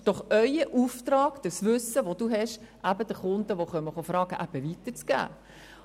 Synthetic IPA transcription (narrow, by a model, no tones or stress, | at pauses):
d̥ɔχœʏəʔuft̪ɾɑːɡ̥d̥əsʋʏsːəʋod̥̪uɦɛʃ | ʔæbəd̥̪əχʊnd̪əʋoχœməχofɾɑːɡ̥əʔæb̥əʋit̪əɾt͡sɡ̥æ̰ː